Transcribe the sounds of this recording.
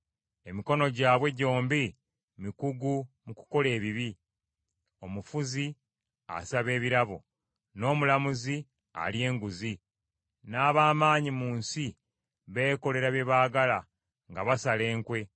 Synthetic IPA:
e̞miko̞no̞ɟaːβwe̞ɟo̞ːmbi | mikuɡumuku̥ko̞le̞ːβiβi | o̞mufuzi | a̰saβe̞ːβiɾaβo̰ | no̞ːmulamuzi | a̰lje̞ːŋɡuzi | naːβaːmaːɲimuːnsi | βe̞ːko̞le̞ɾaβje̞βaːɡala | ŋɡaβasale̞ːŋkwe̞

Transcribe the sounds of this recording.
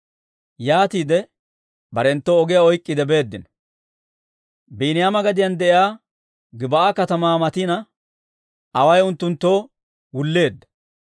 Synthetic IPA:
jaːt̪iːd̪ɛ | bɐɾɛnt̪ːoːɡɪjaɔjkʼːɪd̪ɛbe̞ːd̪ːɪnɔ | biːnɪjamɐɡɐd̪ɪjɐnd̪ɛʔɪaː | ɡɪbɐʔakɐt̪ɐmaːmɐt̪ɪnɐ | ʔɐwɐjʊnt̪ːʊnt̪ːo̞ː | wʊlːe̞ːd̪ːɐ̥

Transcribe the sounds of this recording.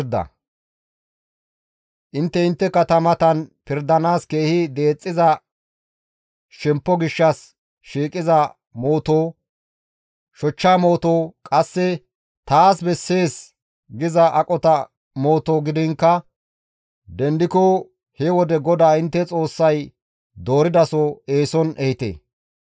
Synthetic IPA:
ɾd̪ɐ̰ | ʔɪnt̪ːɛɪnt̪ːɛkɐt̪ɐmɐt̪ɐnpɪɾd̪ɐnaːske̞ːhɪd̪e̞ːt͡sʼːɪzɐ | ʃɛmpːɔɡɪʃːɐs | ʃiːkʼɪzɐ | mo̞ːt̪oː | ʃɔt͡ʃːaːmo̞ːt̪oːkʼɐsːɛ | t̪aːsbɛsːe̞ːs | ɡɪzɐʔɐkʼɔt̪ɐ | mo̞ːt̪oːɡɪd̪ɪŋkːɐ | d̪ɛnd̪ɪkɔ | hɛwɔd̪ɛɡɔd̪aːɪnt̪ːɛt͡sʼo̞ːsːɐj | d̪o̞ːɾɪd̪ɐsɔe̞ːsɔnʔɛhɪt̪ḛː

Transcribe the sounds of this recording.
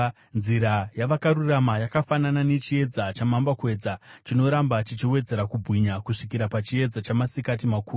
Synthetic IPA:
nziɾajaʋakaɾuramajakafananane̞t͡ʃie̞d͡zat͡ʃamambakwe̞d͡zat͡ʃino̞ɾambat͡ʃit͡ʃiwe̞d͡ze̞ɾakubʱwiɲakuʂikiɾapat͡ʃie̞d͡zat͡ʃamasikat̬imakuː

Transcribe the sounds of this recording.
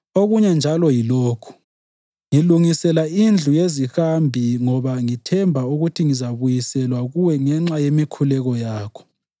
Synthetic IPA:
oɣuɲɛnd͡ʒʱalɔjiloːkʰu̥ | ŋiluŋisɛlaind͡ɮʱujezixambʱiŋɔβaŋitʰɛmbʱauɣutʰiŋizaβujisɛlwaɣuwɛŋɛŋ͡ǁajemikʰulɛɣɔjaːkʰɔ̥

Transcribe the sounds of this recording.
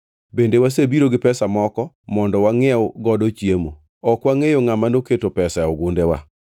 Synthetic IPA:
bendewas̬ebiɾoɡɪpɛsamɔkɔ | mɔndɔwaŋɛoɡɔdɔt͡ʃjemo̰ | ɔkwaŋejoŋamanoketopɛsaoɡʊndewa̰

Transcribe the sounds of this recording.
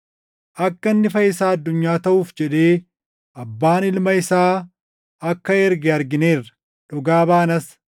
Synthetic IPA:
ʔɐkːɐnːɪfɐɪsaːɐd̪ːʊɲːaːt̪ɐʔuːfd͡ʒɛᶑe̞ː | ʔɐbːaːnɪlmɐɪsaː | ɐkːɐɛɾɡɛɐɾɡɪneːrɐ̥ | ᶑɔɡaːbaːnɐs

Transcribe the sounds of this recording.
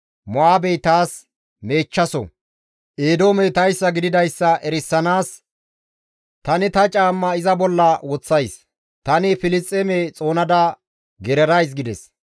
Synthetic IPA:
mɔaːbejt̪aːs | me̞ːt͡ʃːɐsɔ̰ | ʔeːd̪oːmɛjt̪ɐjsːɐɡɪd̪ɪd̪ɐjsːɐʔɛɾɪsːɐnaːs | t̪ɐnɪt̪ɐt͡ʃʼaːmːɐɪzɐbɔlːɐwɔt͡sːɐjs | t̪ɐnɪfɪlɪt͡sʼːɛmet͡sʼo̞ːnɐd̪ɐ | ɡɛɾɛɾɐjs̬ɡɪd̪ɛs

